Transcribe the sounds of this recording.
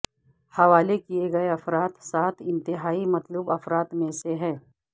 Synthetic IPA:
hɐʋaːlekieɡɐeɐfɾaːt̪saːt̪ʰɪ̃nt̪ɪɦaːimɐt̪lubɐfɾaːt̪mẽseɦɛ̃ː

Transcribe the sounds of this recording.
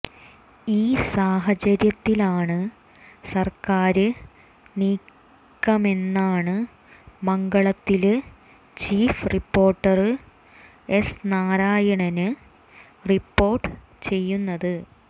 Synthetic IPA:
iːsaːɦɐt͡ɕɐɾjɐt̪ːilaːɳɨ | sɐrkaːɾɨ | niːkː | ɐme̞nːaːɳɨ | mɐŋɡɐɭɐt̪ːil | t͡ɕiːfripːo̞ːrʈːɐrɨ | e̞snaːɾaːjɐɳɐnɨ | ripːo̞ːrʈːɨ | t͡ɕe̞jːunːɐðɨ

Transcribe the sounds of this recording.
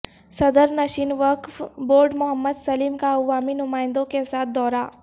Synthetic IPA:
sɐd̪əɾnɐʃiːnʋəkfboːɾɖmʊɦəmːəd̪sɐliːmkaɐʋːaːminʊmaːɪ̃nd̪õkesaːt̪̚ʰd̪ɔːɾaː

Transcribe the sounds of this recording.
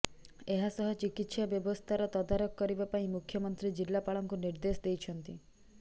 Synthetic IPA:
eɦasɔɦɔt͡ʃikit̪sabjɔbɔst̪ʰaɾɔt̪ɔd̪aɾɔkːɔɾibapaĩmukʰjɔmɔnt̪ɾid͡ʒilːapaɭɔŋkuniɾd̪esɔd̪ejt͡ʃʰɔnt̪i

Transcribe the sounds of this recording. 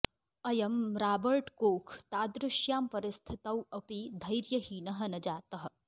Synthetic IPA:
ɐjɐmɾaːbɐɾʈkoːkʰt̪aːd̪ɾʊʃjaːmpɐɾɪst̪ʰɪt̪ɐwɐpid̪ʱɐjɾjɐɦiːnɐɦɐ̆nɐd͡ʒaːt̪ɐɦɐ̆

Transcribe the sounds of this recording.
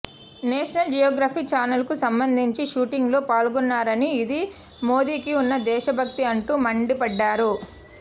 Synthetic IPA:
neːʂɐnɐld͡ʒijoːɡɾaːpiːt͡ʃaːnɐlkusɐmbɐnd̪ʱiɲt͡ʃiʃuːʈiŋɡlo̞ːpaːɭɡɔnːaːɾɐniːd̪i | moːd̪iːkiunːɐd̪ɛːʃɐbʱɐk̚t̪iɐɳʈuːmɐɳɖipɐɖːaːɾu

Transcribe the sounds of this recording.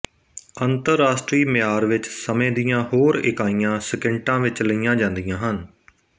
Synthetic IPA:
ənt̪əɾːaːsʈɾiːmɪjaːɾʋɪt͡ʃsəmẽːd̪ijãːhoːɾɪ̰kaːijãːsəkəɳʈãːʋɪt͡ʃləiːjãːd͡ʒãːnd̪ijãːɦən

